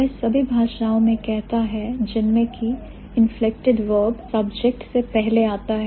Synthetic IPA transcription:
ɛsɐbʱibʱaːʃaːõmẽkɛɦt̪aɦɛd͡ʒɪnmẽki | ɪ̃nflɪk̚ʈɪɖʋəːbsɐbd͡ʒɛk̚ʈsepɛɦleaːt̪aɦɛ

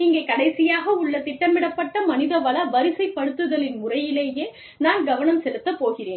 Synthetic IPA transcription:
ɪŋɡeːkɐɽɐɪsɪjaːɣɐʊɭːɐt̪ɪʈːɐmɪɽɐpːɐʈːɐmɐnɪðɐʋɐlɐʋɐɾɪsɐɪpːɐɽɯt̪ːɯðɐlɪnmʊrɐjɪleːjeː | naːnɡɐʋɐnɐmsɛlɯt̪ːɐpːoːɣɪreːn

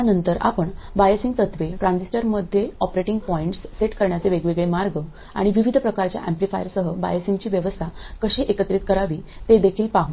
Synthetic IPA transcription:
anənt̪əɾa̰pəɳbajəsĩŋt̪ət̪ʰʋeʈɾãnsisʈəɾməd̪ʱjeɔpɾeʈiŋɡ̚pɔiɳʈsːeʈkəɾɳjat͡seʋeɡʋeɡɭemaɾɡə | a̰ɽ̃iʋiʋid̪ʱpɾəkaɾt͡ɕja̰ʔemplifajəɾsəɦəba̰jəsiŋɡt͡ɕiːʋjəʋəst̪ʰakəɕiːʔekət̪ɾit̪̚kəɾaʋiːt̪ed̪ekʰiːlpaɦ

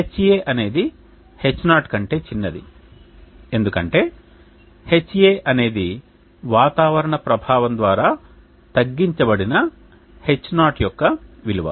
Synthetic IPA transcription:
et͡ʃːjeːʔɐne̞ːd̪i | he̞t͡ʃːnaːʈkɐɳʈe̞ːt͡ʃinːɐd̪ḭ | e̞nd̪ukɐɳʈe̞ː | he̞t͡ʃːjeːʔɐne̞ːd̪i | ʋaːt̪aːʋɐɾɐɳɐpɾɐbʱaːʋɐnd̪ʋaːɾaː | t̪ɐɡːiɲt͡ʃɐbɐɽinɐ | he̞t͡ʃːnaːʈjɔkːɐʋiliʋɐ̰

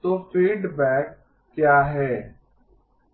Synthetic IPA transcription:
t̪oːfiːɖbɛːkː | jaːɦɛː

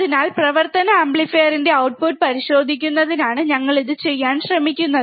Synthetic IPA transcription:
ðinaːlprɐʋɐrt̪ɐnɐɐmbɭifejɐrinde̞ɐwʈ̚puʈ̚pɐɾiɕo̞ːd̪ʱikʲːunːɐðinaːɳɨɲɐŋːɐɭiðɨt͡ɕe̞jːaːnɕrɐmikʲːunːɐðɨ

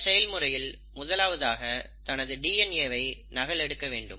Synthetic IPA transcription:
sɛjɐlmɯrɐjɪl | mʊðɐlaːʋɐðaːɣɐ | t̪ɐnɐðɯɖiːɛneːʋɐɪnɐɣɐɭɛɽɯkːɐʋeːɳɖɯm

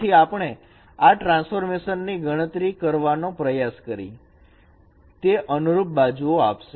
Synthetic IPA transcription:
iapɳ̃e | aʈɾãnsfoɾmeʃənːiɡəɽ̃ət̪ɾikəɾʋanõpɾəjaskəɾḭ | t̪eʔənuɾup̚bad͡ʒuoapʃe

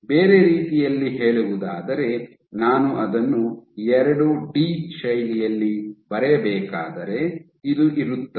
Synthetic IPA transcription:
beːɾe̞ɾiːt̪ijɐlːiɦe̞ːɭuʋud̪aːd̪ɐɾe̞ | naːnuʔɐd̪ɐnːuɛɾɐɽuɖiːʃɐjlijɐlːibɐɾɛɐbɛːkaːd̪ɐɾe̞ | id̪uʔiɾut̪ːɐ

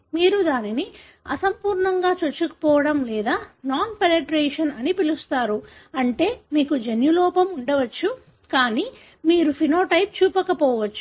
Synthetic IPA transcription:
miːɾud̪aːnini | ɐ̰sɐmpuːɾɳɐŋɡaːt͡ʃot͡ʃːukɐ̥pɔːʋɐɽɐmlɛːd̪aːnaːnpeneʈɾeːʂɐnɐnipilust̪aːɾuɐɳʈe̞ːmiːkud͡ʒenjulɔːpɐmuɳɖɐʋɐt͡ʃːu | kaːniː | miːɾupʰinoːʈɐjp̚t͡ʃuːpɐkɐpɔːʋɐt͡ʃːu̥

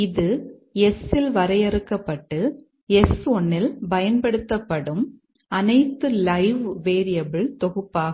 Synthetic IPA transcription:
ɪðɯɛsɪlʋɐɾɐjɛɾɯkːɐpːɐʈːɯ | ɛsɔɳːɪlbɐjɐnpɐɽɯt̪ːɐpːɐɽɯm | ɐnɐɪt̪ːɯlɐɪʋʋeːɾɪjɐbɪɭt̪ɔɣɯpːaːɣɐ

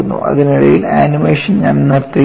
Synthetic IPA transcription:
unːṵʔɐ̰ðiniɽɐjilaːnimeːʂɐnɲaːnnɨrt̪ːi

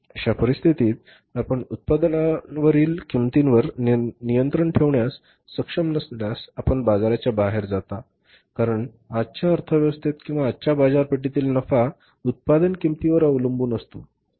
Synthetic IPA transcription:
əɕapəɾist̪ʰit̪iːt̪̚ | apəɳut̪̚pad̪nanʋəɾiːlkimt̪inʋəɾnijənt̪ɾəɳʈʰeʋɳjasː | əkʂəmnəsljasapəɳbad͡zaɾat͡ɕjabaɦeɾd͡zat̪a | kaɾəɳ | at͡ɕjaəɾt̪ʰəʋjəʋəst̪ʰit̪kĩw̃ʋaːt͡ɕabad͡zaɾpeʈ̬it̪iːlnəfa | ut̪̚pad̪ənkimt̪iʋəɾəʋləmbuːnəst̪o

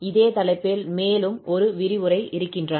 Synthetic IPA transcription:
ɪðeːt̪ɐlɐɪpːeːlmeːlɯmɔɾɯʋɪɾɪʋɯɾɐɪʔɪɾɯkːɪndrɐ

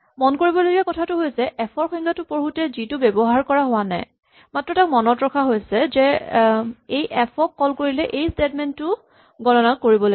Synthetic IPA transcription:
mɔnkoɹibɔloɡiakɔtʰatʊɦojsɛʔɛpʰɔɹxɔjŋkʰatʊpoɹɦutɛzitʊbɛbɔɦaɹkɔɹaɦʊwana̰j | matɹɔtakmɔnɔtɹɔkʰaɦojsɛzɛ | ejʔɛpʰɔkːɔlkoɹilɛʔejstetmɛntʊ | ɡɔnɔnakkːoɹibɔl

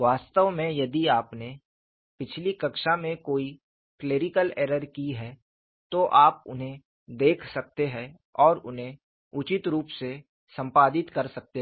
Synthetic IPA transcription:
ʋaːst̪əʋmẽjɐd̪iaːpne | pɪt͡ʃʰlikɐkʃamẽkoːi | kleːɾɪkəleːɾəɾkiɦɛː | t̪oʔaːp̚ʊ̰nɦẽ | d̪eːkʰsɐk̚t̪eɦɛ̃ | ɔːɾʊnɦẽ | ʊt͡ʃɪt̪ɾuːpse | sɐ̃mpaːd̪ɪt̪kɐɾsɐk̚t̪e

